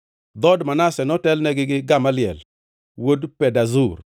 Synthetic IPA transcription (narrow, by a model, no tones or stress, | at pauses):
d̪ɔdmanasɛnɔtɛlnɛɡɪɡɪɡamalɪɛ̰l | wodpɛdazur